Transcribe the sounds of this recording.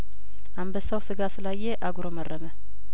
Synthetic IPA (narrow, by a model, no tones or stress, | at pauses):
ʔambəsawsɨɡasɨlajːeʔaɡɾomərːəmə